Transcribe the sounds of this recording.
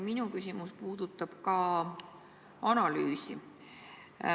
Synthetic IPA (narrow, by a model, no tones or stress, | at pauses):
minukysimuspuːd̪̥ut̪ːˑɑb̥kɑ | ɑnɑlyːsi